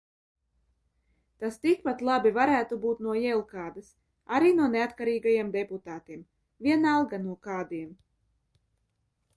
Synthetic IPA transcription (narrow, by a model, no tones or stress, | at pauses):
t̪ast̪ikpat̪lˠabivaɾæːt̪ubuːt̪nuɔjɛlˠkaːd̪as | aɾiːnuɔneat̪kaɾiːɡajamd̪ɛput̪aːt̪iɛm | vʲiɛnalˠɡanuɔkaːd̪iɛm